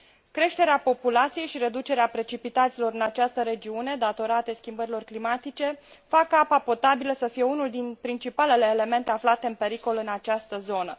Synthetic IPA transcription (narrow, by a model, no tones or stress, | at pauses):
kɾe̞ʃt̪e̞ɾeapo̞pulat̪sije̞jʃiɾe̞d̪ut͡ʃe̞ɾeapɾe̞t͡ʃipit̪at̪silo̞ɾɨnat͡ʃast̪əɾe̞d͡ʒiune̞d̪at̪o̞ɾat̪e̞skʲimbəɾilo̞rklimat̪it͡ʃe̞fakapapo̞t̪abiləsəfije̞unuld̪inpɾint͡ʃipale̞le̞ːle̞me̞nt̪e̞aflat̪e̞ɨnpe̞ɾiko̞lɨnat͡ʃast̪əzo̞nə